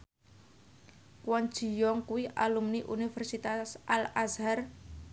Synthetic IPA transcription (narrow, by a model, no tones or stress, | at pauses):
kwan̥d͡ʒ̥i̤jɔŋkuwiʔalumniʔunifɛrsit̪asʔalazar